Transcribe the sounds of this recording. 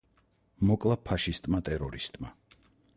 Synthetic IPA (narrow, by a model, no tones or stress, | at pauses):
mɔkʼlˠapʰaʃist̪ʼmat̪ʼɛɾɔɾist̪ʼma